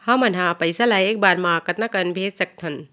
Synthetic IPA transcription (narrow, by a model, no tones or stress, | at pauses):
hɐmɐnɦapɐjsalajeːk̚baɾmakɐt̪nakɐnbʱesɐk̚t̪ʰɐn